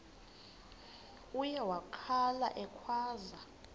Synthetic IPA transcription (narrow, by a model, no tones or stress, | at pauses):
ujɛwakʰala̰ʔɛkʰwaːza